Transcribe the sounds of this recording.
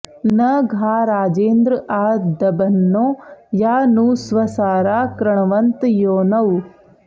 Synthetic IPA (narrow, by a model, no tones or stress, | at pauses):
nɐɡʱaːɾaːd͡ʒeːnd̪ɾəʔaːd̪ɐbɐnːoːjaːnusʋɐsaːɾaːkɾɐɳ̃ɐʋɐnt̪joːnɐw